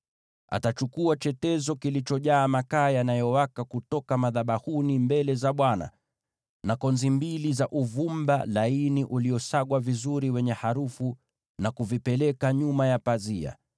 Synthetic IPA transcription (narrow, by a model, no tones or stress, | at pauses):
a̰tat͡ʃukuat͡ʃɛtɛzɔkilit͡ʃɔʄaːmakaːjanajɔwakakutɔkamaðaɓahunimbɛlɛzaɓwana̰ | nakɔnzimbilizaʔuvumbalainiʔuliɔsaɡwavizuɾiwɛɲɛhaɾufu | nakuvipɛlɛkaɲumajapazia̰